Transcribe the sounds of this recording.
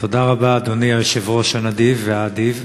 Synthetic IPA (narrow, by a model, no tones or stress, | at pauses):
t̪o̞d̪aʁabaːd̪oniabeʃevʁo̞ʃanad̪ivːeaːd̪iv